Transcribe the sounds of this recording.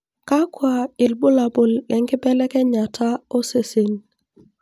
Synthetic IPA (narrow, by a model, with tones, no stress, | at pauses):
ka˦kwa˨ɪ˨lbʊ˦la˨bʊ˨lːɛ˨ŋkɪ˦bɛ˦lɛ˦kɛ˦ɲa˨tʰa˦o˦se˨se˨n